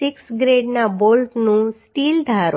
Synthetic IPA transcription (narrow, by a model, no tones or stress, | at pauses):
ɪksɡɾeɖnabolʈnũsʈild̪ʱaɾ